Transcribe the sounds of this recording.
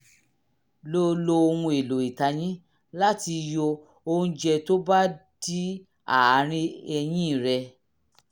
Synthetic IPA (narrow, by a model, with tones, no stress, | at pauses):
lo˧˦lo˧o˧hũ˧e˨lo˨i˨ta˧j̃ĩ˦ | la˦ti˧jo˧ | o˧hũ˧˦d͡ʒɛ˧to˦ba˦d̥i˦ | a̰˨˦ɾ̃ĩ˧ɛ˧j̃ĩ˦˨ɾɛ˧